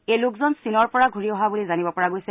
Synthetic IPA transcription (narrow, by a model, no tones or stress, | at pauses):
elʊkzɔnsinɔɹpɔɹaɡʱuɹiɔɦabulizanibɔpɔɹaɡojsɛ